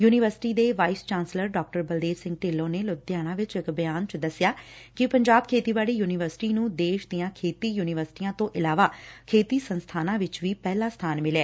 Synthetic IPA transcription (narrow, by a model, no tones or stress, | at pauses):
juːnɪʋəɾsɪ̥ʈiːd̪eːʋaːist͡ʃãːnsləɾɖɔːk̚ʈəɾbəld̪eːɾsɪ̃ŋɡ̚ʈeːlːõːneːlʊd̪ɪjaːɽ̃ãːʋɪt͡ʃɪkbəjaːnt͡ʃəd̪əsɪjaːkɪpəɲd͡ʒaːb̚kʰeːt̪iːbaːɽiːjuːnɪʋəɾsʈiːnũːd̪eːʃd̪ɪjãːkʰeːt̪iːjuːnɪʋəɾsɪ̥ʈiːãːt̪õːʔɪlaːʋaːkʰeːt̪iːsənst̪ʰaːnãːʋɪt͡ʃʋiːpɛːlaːst̪ʰaːnmɪlɛː